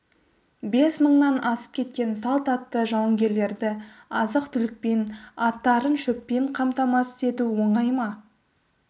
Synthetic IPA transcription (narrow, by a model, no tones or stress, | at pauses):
be̞sməɴnɑnɑsə̥p̚kʲʰe̞t̪̚kʲe̞nsɑlˠt̪ɑt̪ːəʒɑwəŋɡʲe̞ɾle̞ɾd̪ɪɑzəqt̪ʰʏlɪk̚pe̞nɑt̪ːɑɾənʃɵpːe̞ɴqʰɑmt̪ɑmɑsɪ̥se̞t̪uwo̞ɴɑjmɑ